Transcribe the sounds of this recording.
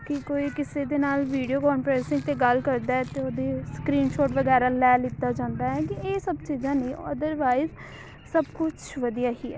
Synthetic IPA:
kɪkoːiːkɪseːd̪eːnaːlʋiːɖijoːkɔːnpɾɛːsɪ̃ŋɡ̚t̪eːɡəlkəɾd̪aːɛt̪eːoːd̪eːskɾiːnʃoːʈʋəɡɛːɾaːlɛːlɪt̪ːaːd͡ʒãːnd̪aːɦɛːkɪeːsəbt͡ʃiːzãːnĩːə̰d̪əɾʋaːɪz | səbkʊt͡ʃʰʋəd̪ijaːɦiːɛ̰ː

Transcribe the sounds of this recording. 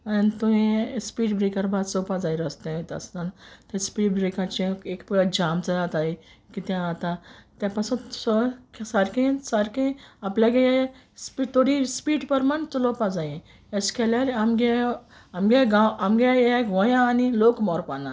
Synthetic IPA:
anit̪uɦĩspiːʈbɾekəɾbad̪t͡sɔpad͡zajɾəst̪ẽt̪ə̰st̪ant̪ẽspiːʈbɾekãt͡ɕeekpd͡ʑamt͡səɾat̪aikit̪ãat̪ãt̪jãpasusɔksaɾkĩsaɾkĩaplʲjaɡejɛ | spit̪oɽispiːʈpəɾmant͡sulɔpad͡zajẽ | ɛskʰɛlaɾamɡe | amɡeɡãwamɡejkʋɔ̃jãːnilokmɔɾpana

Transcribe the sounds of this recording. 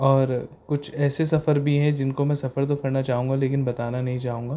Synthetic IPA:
ɔːɾkʊt͡ʃʰɛːsesɐfəɾbʱiɦɛ̃d͡ʒɪnkomɛ̃sɐfəɾt̪̬okʰɐɾnat͡ʃaːɦũːŋɡaleːkɪnbɐt̪aːnanɐɦĩt͡ʃaːɦũːŋɡaː

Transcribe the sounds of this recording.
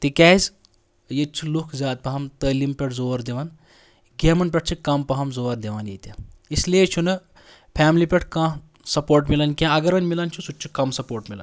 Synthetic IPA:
t̪ikʲaːz | jet͡ʃʰulukʰzʲaːd̪̚pɐɦɐmt̪əlimpʲeʈʰzoːɾd̪eʋan | ɡʲemɐnp̬ʲɐʈ̚t͡ʃʰikɐmpɐɦɐmzoːɐɾd̪eʋaːnjet̪ʲjaisleːt͡ʃʰunɨ | pʰaːmlipʲeʈʰkãː | sɐpoːɾʈmilɐnkʲãɐɡɐɾɐnmilɐnt͡ʃʰusutːt͡ʃʰukɐmsɐpoːɾʈmila̰n

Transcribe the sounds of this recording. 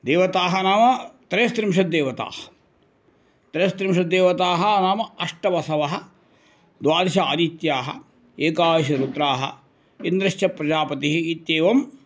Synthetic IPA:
d̪eːʋɐt̪aːɦɐnaːmɐt̪ɾɐjɐst̪ɾimʃɐd̪eːʋɐt̪a̰ːhɐ̥ | t̪ɾɐjɐst̪ɾimʃɐd̪eːʋɐt̪aːɦɐnaːmɐɐʂʈɐʋɐsɐʋɐɦɐ̆ | d̪ʋaːɾiʃɐaːd̪it̪jaːɦɐ̰ | eːkaːjɐʃɐɾut̪ɾaːɦɐ̰ | ind̪ɾɐʃt͡ʃɐpɾɐd͡ʒaːpɐt̪iɦiit̪jeːʋɐm

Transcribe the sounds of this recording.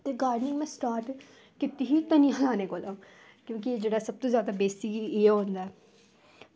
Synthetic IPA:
t̪eːɡaːɖnɪ̃ŋmɛ̃ːsʈaːɾʈ | kɪt̪iɦiːt̪ənĩjãɦlaːneːkoːlaːm | kjõːkɪd͡ʒeːɽaːsəb̚t̪õːzjaːd̪aːbeːst̪ikieːõːnd̪aːɛː

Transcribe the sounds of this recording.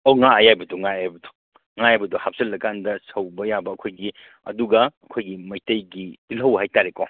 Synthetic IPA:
owŋaajajbɐduŋaajbɐdu̥ | ŋajajbɐduhap̚sɐlːɐkandɐsɐwbɐjabɐːkʰojɡi | ɐ̰duɡɐɐkʰojɡimɐjtɐjɡitilɦɐwhajtaɾeko

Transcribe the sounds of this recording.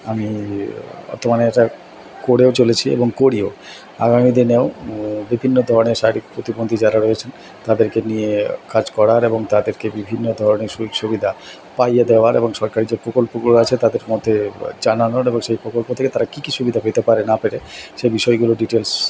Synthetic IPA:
ami | ɔ̰t̪ʰomaneɛʈa | koɽeot͡ɕolet͡ɕʰiḛboŋkoɽio | a̰ɡamid̪ineobibʱinːod̪ʱɔɾoneɾʃaeɾikpɾot̪ibond̪ʱid͡ʑaɾaɾoet͡ɕʰen | t̪ad̪eɾkenijekad͡ʑkɔɽaɾeboŋt̪ad̪eɾkebibʱinːod̪ʱɔɾoneɾʃuʃubid̪ʱa | pajed̪eoaɾeboŋʃɔɾkaɾid͡ʑepɾokolpoɡuloat͡ɕʰet̪ad̪eɾmod̪ʱed͡ʑananoɾeboŋʃejpɾokolpot̪ʰeket̪aɾakikiʃubid̪ʱaɦojt̪epaɾenapeɾeʃebiʃɔeɡuloɖiʈels

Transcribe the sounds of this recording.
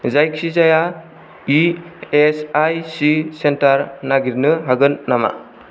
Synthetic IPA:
zajkʰizaja | iesajsisentaɾnaɡiɾnɯɦaɡɯnːama̰

